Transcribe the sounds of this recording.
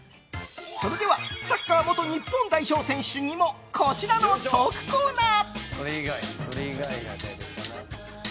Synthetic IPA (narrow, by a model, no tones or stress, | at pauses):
so̞ɾe̞d̪e̞βasakːaːmo̞t̪o̞ɲ̟ipːõ̞nt̪aiço̞ːsẽ̞ɰ̃ɕɨɲ̟imo̞ | kʰo̞t͡ɕiɾanot̪oːkɯ̟̥koːnaːsoɾeiɡaisoɾeiɡaija̰t̪et̪eana